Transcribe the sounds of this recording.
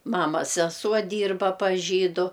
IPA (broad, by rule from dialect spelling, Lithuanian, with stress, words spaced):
ˈmɑːmɐs sʲɛˈsuɔ ˈdʲiːrbɐ pɐs ˈʒʲiːdʊ